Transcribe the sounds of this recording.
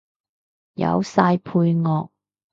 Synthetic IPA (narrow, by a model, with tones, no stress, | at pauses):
jɐ̰˨˧wsaː˧jpʰuː˧jŋɔː˧k̚